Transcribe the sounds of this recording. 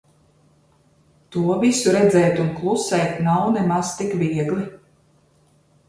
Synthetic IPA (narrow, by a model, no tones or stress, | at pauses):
t̪uɔvisuɾɛd̪zɛjt̪unklˠusɛjt̪nawnɛmast̪ikvʲiɛɡlˠi